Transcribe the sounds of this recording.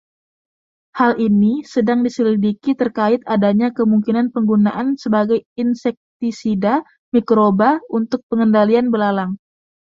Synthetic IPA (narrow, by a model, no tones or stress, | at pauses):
halʔinisədaŋdisəlidikit̪ərkaɪt̪adaɲakəmuŋkinanpəŋɡunaʔansəbaɡajinsɛk̚t̪isida | mikɾobaunt̪ʊk̚pəŋəndalianbəlalaŋ